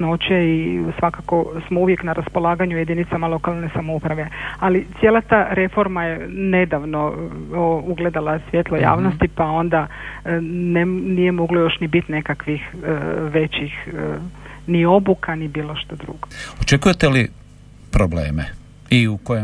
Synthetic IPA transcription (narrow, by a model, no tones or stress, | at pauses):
not͡ɕeisʋakako̞smouʋje̞knaɾʔaspo̞lˠaːɡaɲuje̞d̪init̪samalˠo̞kalˠnesamoupɾaʋe̞alit̪sjeːlˠat̪aːɾe̞fo̞ɾmajene̞d̪aʋno̞ | uɡle̞d̪alasʋʲjet̪lˠo̞ja̰ːʋno̞st̪ipao̞nd̪a | nenije̞mo̞ɡlojo̞ʃnibit̪ne̞kakʋixʋe̞t͡ɕix | nio̞bukʰanibiːlˠo̞ʃt̪ad̪ɾṵɡ̥oot͡ʃekujet̪eli | pɾoblḛːmḛ | iukoje